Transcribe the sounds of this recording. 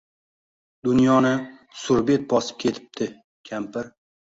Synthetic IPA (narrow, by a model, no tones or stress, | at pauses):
d̪ʊnjɒnɪsʊɾbe̞t̪̚bɒsɪ̥p̚kʲʰe̞t̪ʰɪ̥p̚t̪ʰɪ | kʲʰampɪɾ